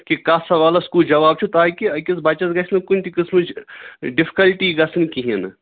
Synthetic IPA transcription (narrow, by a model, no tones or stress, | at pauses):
kikaːsɐʋaːlɐskuːld͡ʒɐʋaːb̚t͡ʃʰut̪aːkiɐkisbɐːt͡ʃɐzɡɐsnɐkunʲt̪ʰikɪsmɨt͡ʃʰɖɪfi̥kɐlʈiɡɐsɨnkiɦinɐ